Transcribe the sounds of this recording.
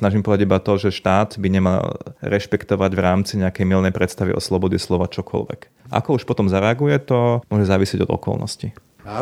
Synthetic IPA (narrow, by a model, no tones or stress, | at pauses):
snaʒimpɔd̪aɟibat̪ɔʒɛʃt̪aːd̪biɲɛma̰lɾɛʃpɛkt̪ɔʋaɟʋɾaːmt͡siɲɛakɛjmilnɛjpɾɛt̪st̪aʋḭʔɔ̰slɔbɔdɛslɔʋat͡ʃɔkʰɔ̰lʋɛ̰k | ʔa̰kɔuʃpɔt̪ɔmzaɾɛaɡujɛt̪ɔmʊɔʒɛzaːʋisɪɛɟɔd̪ɔ̰kɔ̰lnɔ̰sci